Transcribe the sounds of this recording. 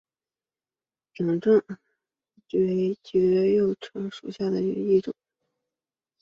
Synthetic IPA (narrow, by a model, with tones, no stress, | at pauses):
ʈ͡ʂɑ˨˩ŋʈ͡ʂə˥˩ŋ | t͡ɕɥɛ˥ɪt͡ɕɛ˧˥˧jo˥˩ʊʈ͡ʂʰɤ˧˥ŋʂṵ˨˩ɕja˥˩d̪ə˩ḭ˧˩i˥˩ʈ͡ʂʊ̰˨˩˦